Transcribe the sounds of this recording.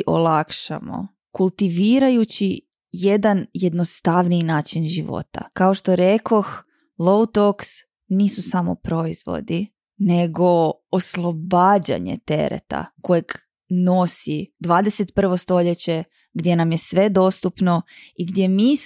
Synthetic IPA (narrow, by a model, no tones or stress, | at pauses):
ʔo̰lˠakʃa̰mo̰ | kulˠt̪iʋiːɾajut͡ɕi | je̞d̪anjed̪nost̪aʋninaːt͡ʃinʒiʋo̞̰t̪a̰kao̞ʃt̪oɾeko̞x | lˠo̞wt̪oks | niːsusamo̞̰pɾo̞iz̥ʋo̞̰d̪i | ne̞ɡo̞oslˠo̞baːd͡ʑa̰ɲḛt̪e̞̰ɾḛt̪a̰ko̞jeɡ | no̞sid̪ʋaːd̪eset̪pr̩ʋo̞st̪o̞ʎet͡ɕe̞ | ɡd̪je̞namjesʋe̞d̪o̞st̪upno̞iɡd̪jemi